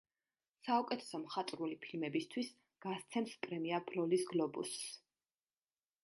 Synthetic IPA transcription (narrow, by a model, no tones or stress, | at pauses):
saukʼɛt̪ʰɛ̥sɔmχat̪ʼɾulipʰilmɛbist̪ʰwis | ɡ̥ast̪sʰɛmspʼɾɛmiabʰlɔlisɡlɔbṵsː